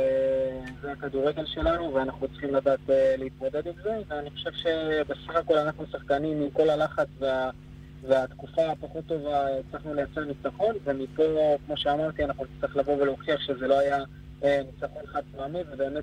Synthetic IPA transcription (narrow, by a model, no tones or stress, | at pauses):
ezeakad̪uʁeɡe̞lʃe̞lanuveanaχnut͡sχimlad̪aːt̪eleit̪mo̞d̪e̞d̪imze̞veaniχo̞ʃe̞vʃe̞be̞saχako̞lanaχnusaχkanimiko̞lalaχat͡svea | veat̪kufapaχo̞t̪ːo̞vaet͡slaχnulejat͡seanit͡saχo̞nve̞mipo̞kmo̞ʃeamaʁt̪ianaχnunit͡sʁiχlavo̞ve̞loχiaχʃe̞ze̞lo̞aja | enit͡saχo̞nχad̪̚soamivebe̞ːmet̪̚